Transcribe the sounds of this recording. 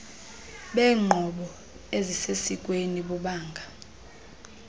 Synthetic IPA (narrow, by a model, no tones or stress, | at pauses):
ɓɛːŋ͡ǃʱɔɓɔ | ezisesik̬ʼweniɓuɓaːŋɡʱa